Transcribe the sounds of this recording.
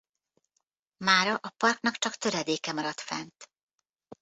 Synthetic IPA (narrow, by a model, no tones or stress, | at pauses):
maːɾɒʔɒpɒrknɒkt͡ʃɒkt̪ø̞ɾɛd̪eːkɛmɒɾɒt̪fɛ̰nt̪